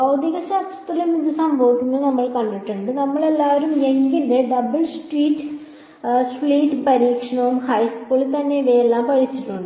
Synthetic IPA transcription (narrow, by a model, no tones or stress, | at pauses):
ɐwd̪iɣɐsaːt̪sɐ̥t̪ːilemidɐsaːmpoːkːunːɐnɐmːɐɭkɐɳɖɐʈːɐɳɖɨnɐmːɐɭelːaːʋɐɾumeŋɡinðɨɖɐbɐɭsʈriːʈː | spɭiːʈːpɐɾiːkʂɐɳɐʋumhɐjspoːɭt̪ɐnːeʋeːelːaːmpɐɻit͡ɕːiʈːuɳɖɨ